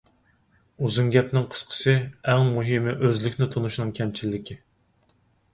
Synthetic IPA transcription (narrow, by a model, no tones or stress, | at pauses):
uzunɡʲɛpnɪŋqʰə̥sqʰə̥sɨɛŋmuɦɪmɪʔøzlɪkʲnɪt̪ʰonuʃnɨŋkʲʰɛmt͡ʃʰilːɪkʲʰɪ